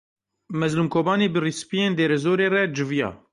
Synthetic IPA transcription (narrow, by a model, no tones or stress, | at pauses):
mɛzluːmkʰoːbɑːneːbɨrispijeːnd̪eːɾɛzoːɾeːrɛd͡ʒɨvijɑ̰ː